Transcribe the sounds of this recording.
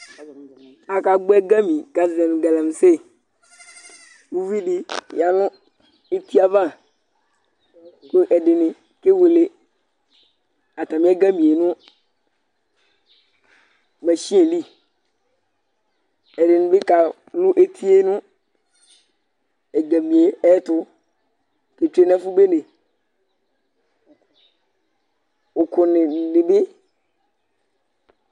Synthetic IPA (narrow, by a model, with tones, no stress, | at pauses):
a˨ka˨ɡ͡bɛ˦ɡa˦mĩ˨ɡa˦zɛ˨m˨ɡa˨la˨m˨se˦ | wu˦vi˦ɖɪ˨ja˨nʊ̃˦ | e˦t̪i˦a˦va˦˨ | ku˦ʔɛ˨dɪ˨nɪ̃˨ | ke˦we˨le˦ | a˨t̪a˨mĩ˦ɛ˦ɡa˦mĩ˨e˨nʊ̃˦ | mɛ˨ɕĩ˦ẽ˨li˦ | ɛ˨dɪ˨nɪ̃˨bɪ˦ka˨ | nʊ̃˦ʔe˦t̪ʰi˦e˦nʊ̃˦ | ɛ˨ɡa˨mĩ˨e˨ɛ˦t̪ʊ˦ | ke˨t͡ʃᶣe˨nɛ̃˦fu˦be˦nɪ̃˨ | wo˨kʰʊ˨nɪ˨nɪ̃˨bɪ˦